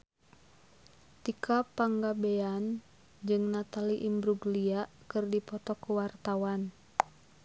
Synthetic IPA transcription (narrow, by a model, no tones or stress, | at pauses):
t̪ikʰapaŋɡabean | d͡ʒɨŋnat̪aliʔimbɾuɡlia | kɨrdipɔt̪ɔkːuwart̪awan